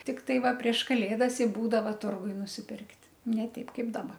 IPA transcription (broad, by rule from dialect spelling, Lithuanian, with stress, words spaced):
tʲɪkˈtɐɪ ˈʋɐ pʲrʲiɛʃ kɐˈlʲeːdɐs ɪ ˈbuːdɐʋɐ ˈtʊrɡʊj nʊsʲɪˈpʲɪrktʲ nʲɛ ˈtʲɛɪp ˈkɐɪp dɐˈbɐ